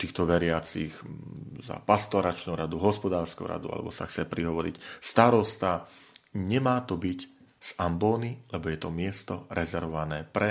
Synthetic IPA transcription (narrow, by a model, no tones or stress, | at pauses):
t̪iːxt̪ɔʋɛɾɪat͡sixza̰past̪ɔɾat͡ʃnuɾad̪uɦɔspɔd̪aːɾskṵɾa̰d̪ṵa̰lɛ̰bɔsa̰xt͡sɛpɾiɦɔʋɔɾḭcst̪aɾɔst̪a | ɲɛmaːt̪ɔbic | z̥ambɔːnilɛbɔjɛt̪ɔmɪɛst̪ɔɾɛzɛɾʋɔʋanɛːpɾɛ